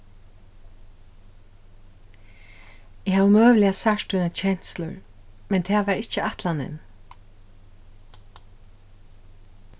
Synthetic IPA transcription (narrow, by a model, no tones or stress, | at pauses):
ɪhavumøːvlɪasaʂt̪unat͡ʃʰɛn̥slʊ̰ɹ | mɛnt̪ʰɛːʋaɹɪht͡ʃəaht̪lanɪ̰n